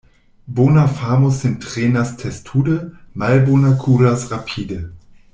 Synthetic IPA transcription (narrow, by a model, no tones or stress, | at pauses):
boːnafaːmosɪntʁ̥eːnastʰɛstʰuːdəmalbonakʰuːɾasʁapʰiːdə